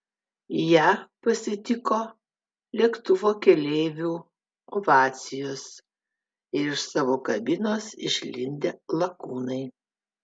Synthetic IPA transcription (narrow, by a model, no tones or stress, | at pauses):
jæːpɐsʲɪt̪ʲɪkoː | lʲiɛkt̪ʊʋoːkʲɛlʲeːʋʲuː | oʋɑːt̪sʲɪjoːs | ɪɾɪʃsɑːʋoːkɐbʲɪnoːsɪ̰ʃʲlʲɪnʲd̪ʲelˠɐkuːnɐɪ